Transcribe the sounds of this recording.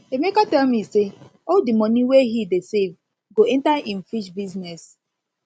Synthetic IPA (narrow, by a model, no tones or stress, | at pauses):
emekatɛlmiseoldimɔnĩweɦidesev | ɡoɛ̃ntaĩn̩fiʃbiznɛs